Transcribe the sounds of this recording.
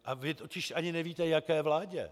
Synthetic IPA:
ʔavɪt̪ocɪʃʔaɲɪnɛviːt̪ɛjakɛːvlaːɟɛ̰

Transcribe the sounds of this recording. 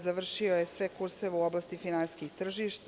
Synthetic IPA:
zaʋr̩ʃiojesʋekuɾseʋuoblˠast̪ifinanskixt̪r̩ʒiʃt̪

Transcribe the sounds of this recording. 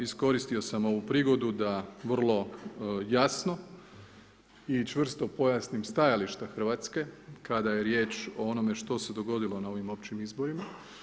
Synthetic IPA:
isko̞ɾist̪io̞samo̞ʋupɾiɡo̞d̪ud̪aʋr̩lˠo̞jasno | it͡ʃʋr̩st̪o̞po̞jasnimst̪ajaliʃt̪axr̩ʋaːt̪ske̞kad̪aje̞ɾje̞ːt͡ʃoo̞no̞me̞ʃt̪o̞se̞d̪o̞ɡo̞d̪ilo̞nao̞ʋimo̞pt͡ɕimizbo̞ɾima

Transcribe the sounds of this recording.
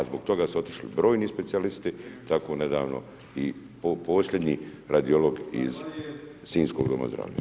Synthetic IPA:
azboɡt̪o̞ɡaːsuo̞t̪i̥ʃlḭbɾo̞ːjniːspe̞t̪sialist̪it̪akʰo̞ːned̪aːʋno̰ | i | popo̞ːslʲʎʲed̪ɲiɾad̪io̞lo̞ɡḭz | siːnsko̞ːɡd̪oma̰zd̪ɾa̰ːʋʎa̰

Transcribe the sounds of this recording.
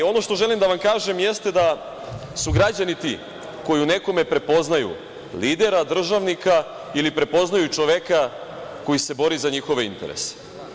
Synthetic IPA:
o̞no̞ʃt̪o̞ʒe̞limd̪aʋamkaːʒe̞mje̞st̪e̞d̪a | suɡɾad͡ʑanit̪i | ko̞june̞ko̞me̞pɾe̞po̞znajṵ | liːd̪e̞ɾad̪r̩ʒaʋnika | ilipɾe̞po̞znajut͡ʃo̞ʋe̞kako̞jise̞bo̞ɾizaɲixo̞ʋe̞int̪e̞̰ɾḛse̥

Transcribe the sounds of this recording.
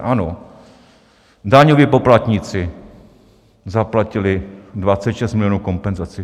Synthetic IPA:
ʔano | daɲoviːpoplat̪ɲit͡sɪ | zaplacɪlɪdvat͡sɛt̪ʃɛst̪mɪlɪjonuːko̞mpɛnzat͡sɪ

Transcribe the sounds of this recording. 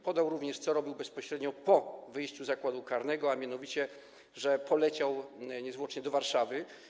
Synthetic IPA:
pɔd̪awɾuvɲɛʂt̪sɔɾɔbʲiwbɛspɔɕɾɛd̪ɲɔpɔvɘjɕt͡ɕuzakwad̪ukaɾnɛɡɔamʲjan̪ɔvʲit͡ɕɛ | ʐɛpɔlɛt͡ɕawɲɛzwɔt͡ʂɲɛd̪ɔvaɾʂavɘ

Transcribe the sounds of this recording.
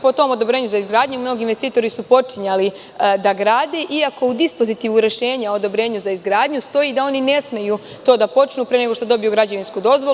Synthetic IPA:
po̞t̪o̞mo̞d̪o̞bɾe̞ːɲuzaizɡɾaːd̪ɲumno̞ɡinʋest̪iːt̪o̞ɾisupo̞t͡ʂiɲali | d̪aɡɾaːd̪eʔiako̞ud̪ispo̞zit̪iʋuɾe̞ʃe̞ːɲaod̪o̞bɾe̞ːɲuzaizɡɾaːd̪ɲust̪o̞jiːd̪ao̞nine̞sme̞ju | t̪o̞ːd̪apo̞t͡ʃnuːpɾe̞neɡo̞ʃt̪od̪o̞bijuɡɾad͡ʑeʋinskud̪o̞zʋol

